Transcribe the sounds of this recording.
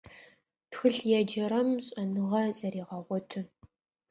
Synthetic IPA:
txɨɬjɛd͡ʒɐɾɐmɕʼɐnɨʁɐzɐɾiːʁɐʁʷɔtʰɨ

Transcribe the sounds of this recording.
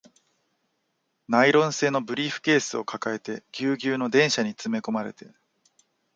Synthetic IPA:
naiɾõ̞ɰ̃se̞ːno̞bɯ̟ɾʲiːɸɯ̟̥ke̞ːsɨo̞kakae̞t̪e̞ɡʲɨːɡʲɨːno̞d̪ẽ̞ɰ̃ɕaɲ̟it͡sɨme̞ko̞maɾe̞t̪e̞

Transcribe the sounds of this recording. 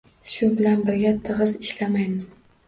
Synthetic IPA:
ʃʊbɪlanbɪɾɡʲat̪ʰɨʁɨzɪʃlamajmɪz̥

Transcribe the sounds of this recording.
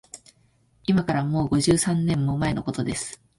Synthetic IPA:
imakaɾamo̞ːɡo̞ʑɨːsãnːẽ̞mːo̞mae̞no̞ko̞t̪o̞d̪e̞sɨ̥

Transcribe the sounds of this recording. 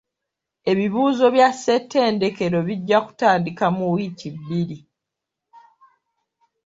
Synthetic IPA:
e̞βiβuːzo̞βjasːe̞tːe̞ːnde̞ke̞ɾo̞βiɟːaku̥taːndikamuwiːciβːiɾi

